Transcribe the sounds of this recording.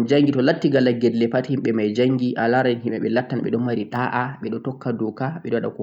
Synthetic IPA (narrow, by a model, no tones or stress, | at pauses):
d͡ʒaŋɡitɔlatːiɡalaɡɛdlɛpathimɓɛmajd͡ʒaŋɡiʔalaɾanɦimɛɓɛlatːanɓɛ̰ɗɔmaɾiɗaʔaɓɛɗɔtɔkːadɔkaɓɛɗɔɗɔkɔ